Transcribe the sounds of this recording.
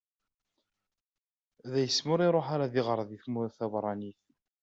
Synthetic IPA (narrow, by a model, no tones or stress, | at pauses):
ðæjəsmʊɾiɾˤoħaɾaðiʁəɾˤðiθmʊθæbɾˤɑniθ